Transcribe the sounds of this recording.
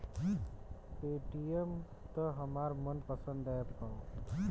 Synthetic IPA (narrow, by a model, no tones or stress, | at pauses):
peːʈijəm | t̪əɦəmaːɾmənpəsə̃nd̪apaːo